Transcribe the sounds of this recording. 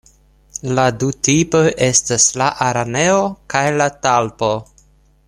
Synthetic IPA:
ladutipojʔe̞staslaʔaɾane̞okajlatalpo̞

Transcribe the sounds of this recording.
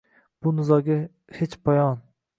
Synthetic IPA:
b̥ʊnɪzɒɡʲa | het͡ʃpʰajɒn

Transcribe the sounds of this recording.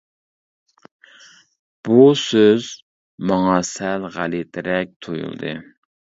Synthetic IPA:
b̥usøz | mɑŋɑsælʁælit̪ʰɪɾɛk̚ʲt̪ʰojṵlˠd̪ɨ̰

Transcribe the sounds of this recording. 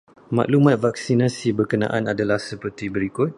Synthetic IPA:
mã̰ʔlumãt̪̚vak̚sinasibərkəna̰ʔanadalahsəpərt̪ibəɾikʊt̪̚

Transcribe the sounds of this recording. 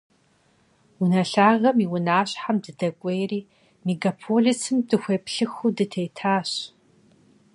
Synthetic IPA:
wʊnɐɬaːʁɐmiwʊnaːɕʼħamdɨdɐkʷʼejriː | meɡapʰoɮisʰɨmdɨxʷeːpɬɨxudɨtʰejtʰaːɕ

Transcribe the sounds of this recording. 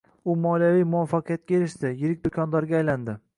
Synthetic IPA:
ʊmɒlijavijmʊwafːaqʰijat̪̚kʲaeɾɪʃt̪ɪjɪɾɪk̚ʲd̪ʊkʰʲɒnd̪ɒɾɡʲaːjland̪ɪ

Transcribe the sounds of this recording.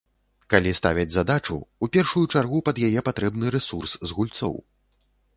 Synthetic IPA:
kalʲist̪avʲɐd͡zʲzad̪at͡ʂṵupʲɛrʂujut͡ʂarɣupɐd̪jajɛpat̪ɾɛbnɨɾɛsurszɣulʲt̪sɔ̰w

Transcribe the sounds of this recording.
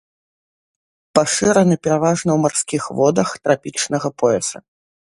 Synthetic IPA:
paʂɨɾɐnɨpʲɛɾavaʐnɐwmarsʲkʲixvɔd̪ɐxt̪ɾapʲit͡ʂnɐɣɐpɔɛsɐ̰

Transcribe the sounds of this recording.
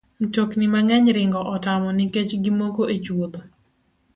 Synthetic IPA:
n̩toknimaŋɛɲɾɪŋɡɔʔɔtamɔnɪket͡ʃɡimokoʔet͡ʃwot̪o

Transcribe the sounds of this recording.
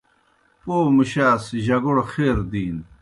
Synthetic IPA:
poːmuɕaːsiʑɐɡoɽxeːɾd̪iːn

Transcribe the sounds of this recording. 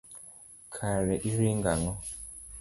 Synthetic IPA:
kʰaɾɛʔiɾiŋɡaŋɔ

